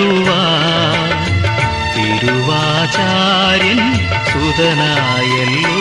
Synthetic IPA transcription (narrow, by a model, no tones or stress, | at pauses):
uʋaː | tiɾuʋaː | t͡ɕaː | ɾjɐn | sud̪ɐnaː | jelːu